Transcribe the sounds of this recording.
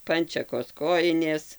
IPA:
ˈpɐnʲt͡ʃʲɛkoːs ˈkoːjɪnʲeːs

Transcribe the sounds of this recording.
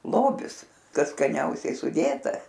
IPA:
ˈlˠoːbʲɪs ˈkɐs skɐˈnʲɛʊsʲɛɪ sʊˈdʲeːtɐ

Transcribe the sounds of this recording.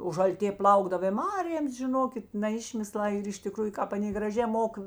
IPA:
oː ʒɐlʲˈtʲeː ˈplˠɐʊɡdɐw ɪ ˈmɑːrʲeːms ʒʲɪˈnoːkʲɪt nɐ ˈɪʃʲmʲɪslˠɑː ɪr ɪʃ tʲɪˈkruːjʊ ˈkɑːp ɐˈnʲeː ɡrɐˈʒʲeː ˈmoːk

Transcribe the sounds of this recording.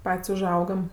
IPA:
ˈpɐtʲsʲ ʊˈʒɐʊɡɐm

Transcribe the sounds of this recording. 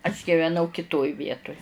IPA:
ɐʃ ɡʲɪʋʲɛˈnɐʊ kʲɪˈtoːj ˈʋʲiɛtʊj

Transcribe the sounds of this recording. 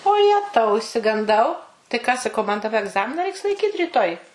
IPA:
oː ˈjæːtɐʊ ɪʃʲsʲɪɡɐnˈdɐʊ tɐɪ kɑː sɐˈkɐʊ mɐn dɐˈbɐ ɛɡˈzɑːmʲɪnɐ ˈrʲɛɪks lˠɐɪˈkʲiːt rʲiːˈtoːj

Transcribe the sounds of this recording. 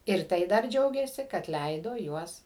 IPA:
ɪr ˈtɐɪ dɐr ˈd͡ʒʲɛʊɡʲeːsʲɪ kɐt ˈlʲɛɪdoː ˈjuɔs

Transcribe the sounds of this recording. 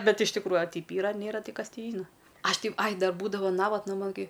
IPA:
ˈbʲɛt ɪʃ tʲɪkˈruːjʊ ɐ ˈtʲɛɪp ˈiːrɐ ɐ ˈnʲeːrɐ ˈtʲɪ ˈkɐs ˈtʲiː ˈʒʲiːnɐ ˈɐʃ tʲɪ ɐɪ ˈdɐr ˈbuːdɐʋoː ˈnɑːʋɐtnɐ ˈmɐn ˈkɐɪ

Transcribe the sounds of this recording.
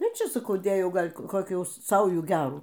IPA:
ɪr ˈt͡ʃʲɛ sɐˈkɐʊ ˈdʲeːjɛʊ ˈɡɐlʲ koːˈkʲuː ˈsɐʊjuː ˈɡʲæːruː

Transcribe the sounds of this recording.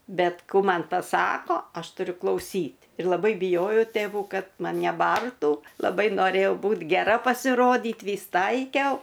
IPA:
ˈbʲɛt ˈkuː ˈmɐn pɐˈsɑːkoː ˈɐʃ tʊˈrʲʊ klˠɐʊˈsʲiːtʲ ɪr lˠɐˈbɐɪ bʲɪˈjoːjɛʊ tʲeːˈʋuː ˈkɐt ˈmɐnʲ nʲɛˈbɐrtuː lˠɐˈbɐɪ noːˈrʲeːjɛʊ ˈbuːt ɡʲɛˈrɐ pɐsʲɪˈroːdʲiːt ˈʋʲiːs ˈtɐɪkʲɛʊ

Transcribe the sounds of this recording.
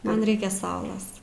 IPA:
ˈmɐn ˈrʲɛɪkʲɛ ˈsɐʊlˠɐs

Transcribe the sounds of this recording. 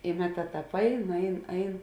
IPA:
ɪ ˈmʲæːˌtɑː ˈtɑːp ˈɐɪn ˈɐɪn ˈɐɪn

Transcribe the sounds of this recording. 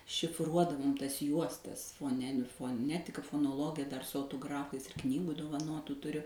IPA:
ʃʲɪfˈruɔdɐʋoːm ˈtɐs ˈjuɔstɐs foːˈnʲæːnʲɪ foːˈnʲæːtʲɪkɐ foːnoːˈlˠoːɡʲɪjɛ dɐr sʊ ɐʊtoːˈɡrɑːfɐɪs ɪr ˈknʲiːɡʊ doːʋɐˈnoːtʊ tʊˈrʲʊ

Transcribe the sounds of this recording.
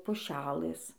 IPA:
pʊˈʃʲæːlˠɘs

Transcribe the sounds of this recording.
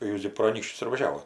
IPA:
ˈjuːs ɡʲɪ proː ɐˈnʲiːkʃʲt͡ʃʲʊs ɪr ʋɐˈʒʲæːʋoːt

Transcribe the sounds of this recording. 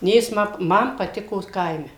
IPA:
ˈnʲeː ˈjɪs ˈmɐ ˈmɐn pɐˈtʲɪkoː ˈkɐɪmʲɛ

